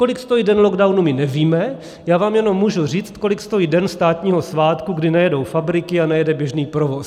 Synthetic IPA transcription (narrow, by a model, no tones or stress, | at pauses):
ko̞lɪkst̪o̞jiːdɛnlo̞ɡdawnumɪnɛviːmɛ | jaːvaːmjɛno̞mːuːʒur̝iːt͡st̪̚ko̞lɪkst̪o̞jiːdɛnst̪aːt̪ɲiːɦo̞svaːt̪kuɡdɪnajɛdowfabɾɪkɪanajɛdɛbjɛʒniːpɾovo̞s